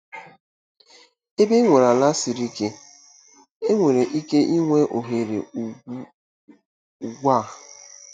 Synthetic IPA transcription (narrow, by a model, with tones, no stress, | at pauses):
e˦be˦ŋʷe˨ɾa˨la˦si˨ɾi˦ke˦ | e˦ŋʷe˨ɾe˨ʔi˦ke˦ʔi˦ŋʷe˦ʔo˨ɦe˨ɾḛ˨˦ | u˨ɡʷa˦˨